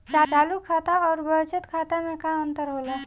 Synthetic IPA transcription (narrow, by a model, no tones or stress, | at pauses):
t͡ʃat͡ʃalukʰat̪aɔːɾbət͡ʃət̪kʰat̪anekaənt̪əɾɦolə